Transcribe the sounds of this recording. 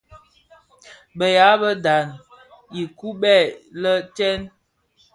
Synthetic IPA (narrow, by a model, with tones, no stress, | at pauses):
bə˨ja˨˦bə˦da˨n | i˨ku˦ɓɛ˦˨lə˦tɛ˦n